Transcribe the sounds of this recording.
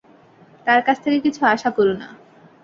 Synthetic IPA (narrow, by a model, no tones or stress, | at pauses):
t̪aɾkat͡sʰt̪ʰekekit͡ɕʰuaʃakoɾona̰